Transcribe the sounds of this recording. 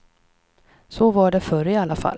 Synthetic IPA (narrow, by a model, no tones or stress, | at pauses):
sɔvaɖɛfœɾɪalːafa̰l